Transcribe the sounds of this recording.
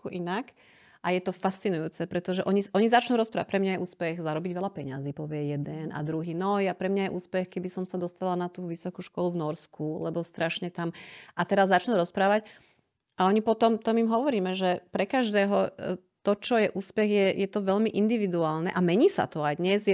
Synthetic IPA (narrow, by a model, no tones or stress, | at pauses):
uʔinak | ʔajɛt̪ɔfast͡sinujuːt͡sɛpɾɛt̪ɔʒɛʔɔɲiʔɔɲizat͡ʃnuːɾɔspɾaːʋac̚pɾɛmɲajɛʔuːspɛɣzaɾɔbiɟʋɛlapɛɲaziːpɔʋɪɛjɛd̪ɛna̰d̪ɾuɦiːnɔjapɾɛmɲajɛʔuːspɛxkɛbisɔmsad̪ɔst̪alanat̪uːʋisɔkuʃkɔluvnɔɾskʰulɛbɔst̪ɾaʃɲɛt̪amʔat̪ɛɾazːat͡ʃnuːɾɔspɾaːʋac | aɔɲipɔt̪ɔmt̪ɔmimɦɔʋɔɾiːmɛʒɛpɾɛkaʒd̪ɛːɦɔ | t̪ɔt͡ʃɔjɛʔuːspɛɣjɛjɛt̪ɔʋɛʎmiʔind̪iʋid̪uaːlnɛʔamɛɲiːsa̰t̪ɔajd̪ɲɛzjɛ